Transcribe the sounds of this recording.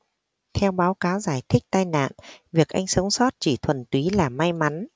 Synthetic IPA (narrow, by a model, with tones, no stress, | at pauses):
t̪ʰɛ˧wɓaː˨˦wkaː˨˦wzaː˧˩jt̪ʰï˦˥k̟̚t̪aː˧jna̰ː˧˨nvi˨˩ək̚ʔa˧jŋ̟sə˨˦wŋ͡msɔ˦˥t̚t͡ɕi˧˩t̪ʰwə˨˩nt̪wi˨˦laː˨˩ma˧jma˨˦n